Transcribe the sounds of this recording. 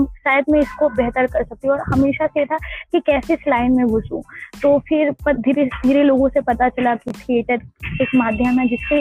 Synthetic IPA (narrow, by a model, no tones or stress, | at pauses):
ɐmsaːjd̪mẽɪskobɛɦt̪əɾkɐɾsɐk̚t̪ĩɔːɾhɐmeːʃasejet̪ʰakikɛːseslaːɪnmẽbʱʊt͡ʃṵ̃ːt̪oːfʰɪɾpɐd̪ʱiɾed̪ʱiːɾeloːɡõsepɐt̪at͡ʃɐlakiʈʰieːʈəɾeːkmaːd̪ʱjəmɦɛd͡ʒɪski